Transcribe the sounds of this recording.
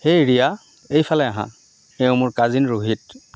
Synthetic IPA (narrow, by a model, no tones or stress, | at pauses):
xejɹija | ejpʰalɛaɦã̰ | xeʊ̃mʊɹkazinɹoɦit̚